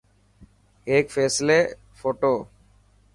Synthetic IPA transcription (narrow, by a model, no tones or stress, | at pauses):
eːkfʰeːsleː | fʰoːʈoː